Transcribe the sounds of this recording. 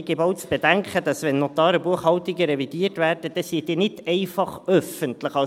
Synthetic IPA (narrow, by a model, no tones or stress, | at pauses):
ɡebɔʊt͡sb̥ɛdæŋkχədɑsʋɛnːɔt̪ɑːɾəbuəχhɑwtiɡəɾɛvid̥iːrtvæːrdəd̥ɛsiːd̥̪iːnɪtɛɪfɑχœfəntləχɑ